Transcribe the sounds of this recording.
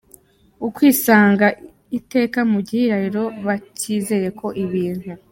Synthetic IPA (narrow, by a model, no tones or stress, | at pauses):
ukwiːsaːŋɡa | ite̞ːkamuɟihiɾahiɾo̞βaciːze̞je̞kʰo̞ʔiβiːn̥u